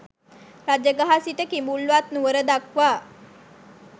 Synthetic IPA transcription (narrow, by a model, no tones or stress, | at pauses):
ɾad͡ʒjəɡaɦasit̪əkimbulʋat̪nuʋəɾəd̪akʋaː